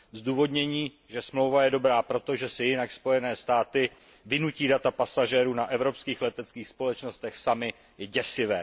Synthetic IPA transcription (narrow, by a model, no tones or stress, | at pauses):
zduːvo̞dɲɛɲiː | ʒɛsmlo̞wvajɛdo̞bɾaːpɾo̞t̪o̞ʒɛsɪjɪnakspo̞jɛnɛːst̪aːt̪ɪ | vɪnuciːdat̪apasaʒɛːɾuːnaʔɛvɾo̞pskiːxlɛt̪ɛt͡skiːxspo̞lɛt͡ʃno̞st̪ɛxsamɪ | ɟɛsɪvɛː